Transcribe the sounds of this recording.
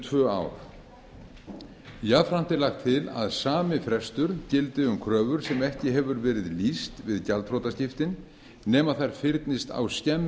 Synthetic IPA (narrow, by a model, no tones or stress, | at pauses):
t̪ʰvœːa̰ːwɾ̥ | jafɾan̥t̪ɪlaxt̪ʰɪla̰ðsaːmɪfɾɛst̪ʏɾcɪlt̪ɪʏmkʰɾœːvʏɾ̥sɛmɛhcɪɦɛvʏɾvɛːɾɪðlist̪vɪðcalt̪fɾɔt̪ascɪft̪ɪnː | ɛːmaðθajɾ̥fɪɾt̪nɪst̪a̰wscɛm